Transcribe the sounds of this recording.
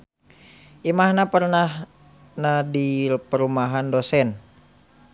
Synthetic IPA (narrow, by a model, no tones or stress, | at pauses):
ʔimahnapərnah | nadirpəɾumaɦandosɛn